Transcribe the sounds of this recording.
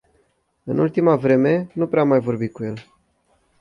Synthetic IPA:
ɨnult̪imavɾe̞me̞nupɾeamːajvo̞rbit̪̚kuje̞l

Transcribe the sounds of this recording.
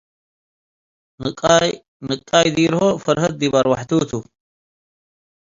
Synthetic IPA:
nɨ | nɨkʼːaːjd̪iːɾhofɐɾhɐt̪̚d̪ibaɾwaħt̪uːt̪ʰu

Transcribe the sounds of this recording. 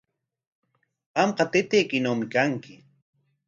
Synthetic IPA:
ɢɑmqɑt̪ɪt̪ejkɪnawmɪkaŋkɪ

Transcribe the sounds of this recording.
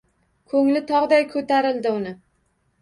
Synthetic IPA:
kʰɵŋlɪt̪ʰɒʁd̪ajkʰɵt̪ʰaɾɪld̪ɪʊnɪ

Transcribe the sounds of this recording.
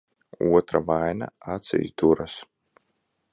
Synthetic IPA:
uɔt̪ɾavajna̰at̪sɛ̰jsd̪uɾas

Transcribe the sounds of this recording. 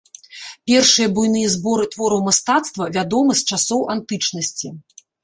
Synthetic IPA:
pʲɛrʂɨjɐbujnɨjɐzbɔɾɨt̪vɔɾɐwmast̪at̪st̪vɐvʲad̪ɔmɐst͡ʂasɔwʔant̪ɨt͡ʂnɐsʲt͡sʲi

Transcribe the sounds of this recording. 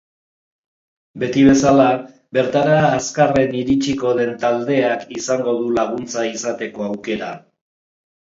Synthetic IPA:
be̞t̪iβe̞sala | be̞ɾt̪aɾaːskare̞niɾit͡ʃiko̞ðe̞nt̪ald̪e̞akisaŋɡo̞ð̞ulaɣ̞unt͡saisat̪e̞ko̞awke̞ɾa

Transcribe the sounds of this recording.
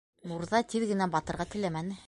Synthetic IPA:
nuɾðɑt̪iðɡɘ̆næbɑt̪ɤ̆ɾʁɑt̪ɘ̆læmænɘ

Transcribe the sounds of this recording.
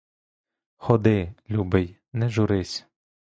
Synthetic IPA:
xɔd̪ɪlʲubɪj | nɛʒuɾɪsʲ

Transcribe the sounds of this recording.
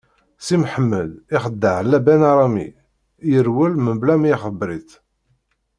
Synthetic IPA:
simħəmːəd̪iχəd̪ːəʕlːæbænaɾˤɑmḭ | jəɾwəlmənblæmjiχəbɾiθ

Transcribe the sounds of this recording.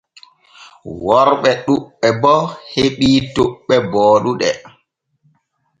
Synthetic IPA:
wɔɾɓɛɗuɓːɛbɔheɓitoɓːɛbɔːɗuɗɛ

